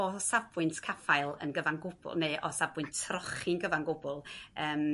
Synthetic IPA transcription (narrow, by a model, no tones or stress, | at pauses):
ɔsabɨntʰkʰafaɨlˠə̰nɡəvaŋɡʊb̥ʊ̰lˠneʔɔsabwɨntʰrɔχinɡəvaŋɡʊbʊlˠəːm